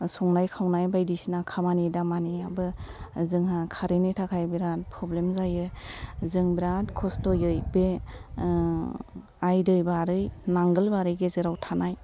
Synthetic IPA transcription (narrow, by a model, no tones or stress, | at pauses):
sɔŋnajkʰawnajbajdisinakʰamanidamaniabɯzɯŋɦakʰaɾenitʰakʰajbiɾat̚pʰɾɔblemzajɯzɯŋbiɾatkʰɔstɔjɯjbe | ajdɯjbaɾɯjnaŋɡɯlbaɾɯjɡezɯɾawtʰanaj